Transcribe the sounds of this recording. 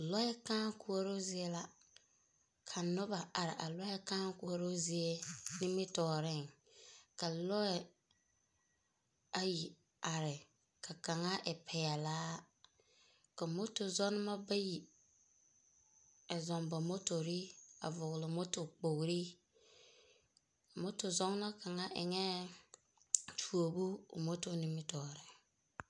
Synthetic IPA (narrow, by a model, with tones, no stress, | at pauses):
lɔ˦ɛ˦kaː˦ŋku˦o˦ɾo˦zɪ˦e˦la˦ | kʰa˨nʊ˦ba˨a˨ɾɪ̰˨ʔa̰˨lɔ˦ɛ˦kaː˦ŋku˦o˦ɾo˦zɪ˦e˦nɪ˦mɪ˦tɔː˨ɾɪ˦˨ŋ | ka˨lɔ˦ɛ˨ | a˨ji˨ | a˨ɾɪ˨ | ka˨ka˨ŋa˦ʔɛ˨pʰɛ˨ja˨laː˦ | ka˨mo˦to˨zɔ˦n˦ma˦ba˦ji˨ | ɛ˨zɔ˨mba˨mo˦to˨ɾi˦a̰˨vʊ˨ɣlɪ˨mo˦to˨k͡po˨ɣɾi˦˨ | mo˦to˨zɔ˦ŋ˦na˦ka˨ŋa˦ʔɪ̰˨ŋɛ˦ | t͡ʃʰu˨o˨bṵ˦˨mo˦to˦nɪ˦mɪ˦tɔː˨ɾɪ˨ŋ